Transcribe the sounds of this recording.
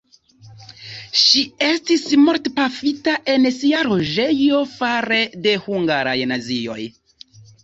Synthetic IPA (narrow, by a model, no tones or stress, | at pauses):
ʃie̞stismo̞ɾtpafitaʔe̞nsiaɾo̞ʒe̞jo̞faɾe̞de̞huŋɡaɾa̰jnazio̞̰j